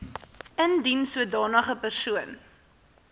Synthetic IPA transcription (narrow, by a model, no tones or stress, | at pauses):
əndinsuədɑːnəχəpərsuən